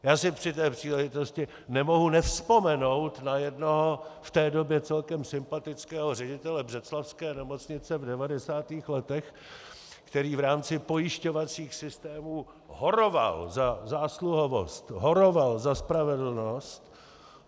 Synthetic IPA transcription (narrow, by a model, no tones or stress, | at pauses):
jaːsɪpr̥ɪt̪ɛːpr̥iːlɛʒɪt̪o̞scɪ | nɛmo̞ɦunɛfspo̞mɛno̞wt̪najɛdno̞ɦoft̪ɛːdo̞bjɛt͡sɛlkɛmsɪmpat̪ɪt͡skɛːɦor̝ɛɟɪt̪ɛlɛbrɛt͡slafskɛːnɛmo̞t͡sɲɪt͡sɛvdɛvadɛsaːt̪iːxlɛt̪ɛx | kt̪ɛɾiːvɾaːmt͡sɪpo̞jɪʃco̞vat͡siːxsɪst̪ɛːmuː | ɦo̞ɾova̰lzazaːsluɦo̞vo̞̰st̪ɦoɾo̞valzaspɾavɛdl̩no̞st̪